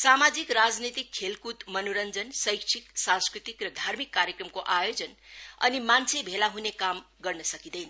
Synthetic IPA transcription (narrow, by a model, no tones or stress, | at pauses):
samad͡zikrad͡znit̪ikʰːelkut̪mʌnoɾʌnd͡zʌnsʌjkt͡sʰiksãnskɾit̪ikrʌd̪ʱarmikːaɾjekrʌmkoʔajod͡zʌnʌ̰nimant͡sʰebʱelaɦunekam | ɡʌrnʌsʌkid̪ʌjnʌ